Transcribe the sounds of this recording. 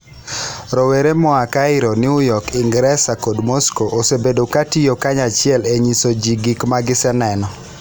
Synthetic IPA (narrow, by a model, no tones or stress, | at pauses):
ɾɔweɾemɔakaɪɾonɪʊjɔkɪŋɡɾɛsakodmɔskoʔosebedokatijokaɲat͡ʃɪɛleɲisod͡ʒiɡikmaɡɪsɛnɛnɔ